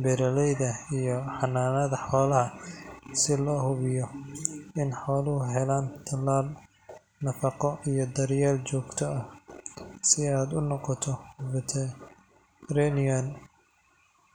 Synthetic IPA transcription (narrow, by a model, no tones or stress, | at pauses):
bɛɾɐlɛjðɐijɔħɑnːaːnɐðɐħɔːlɐɦɐsɪlɔːhʊβɪjɔ | ɪnħɔːlʊhʊɦɛlaːnt̪ʰɐlːaːl | nɐfɑqɔʔijɔd̪ɐɾjaːlt͡ʃɔːɡt̪ʰɔɐh | sɪaːd̪ʊnɔqɔt̪ʰɔbɐt̪ʰɛ | ɾɛnɪɐn